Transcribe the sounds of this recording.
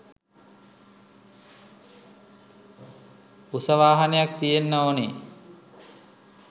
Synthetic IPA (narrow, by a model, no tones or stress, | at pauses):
usəʋaːɦanejak̚t̪ijenːəone